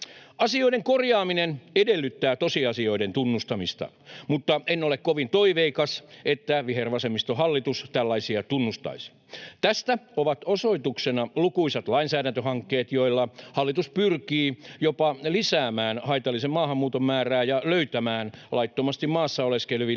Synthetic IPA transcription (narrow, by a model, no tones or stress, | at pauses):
ɑsioiɾeŋkorjɑːminenedelːyt̪ːæːt̪osiɑsio̞ident̪unːust̪ɑmist̪ɑ̰ | mut̪ːɑenːolekkoʋint̪oiʋeikɑset̪ːæʋiherʋɑsemist̪ohɑlːit̪ust̪ælːɑisiɑt̪unːust̪ɑ̰is | t̪æst̪æoʋɑt̪osoit̪uksenɑlukuiset̪lɑinsæːɾænt̪øhɑŋkːeːt̪joilːɑhɑlːit̪uspyrkiːjopɑlisæːmæːnhɑit̪ɑlːˑisemmɑːhɑmːuːt̪ommæːræːjɑløyt̪æmæːnlʔɑit̪ːomɑst̪immɑːsːɑoleskelʋi